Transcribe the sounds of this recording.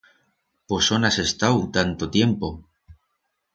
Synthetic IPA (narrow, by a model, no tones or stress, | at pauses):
po̞so̞nase̞st̪awt̪ant̪ot̪je̞mpo̞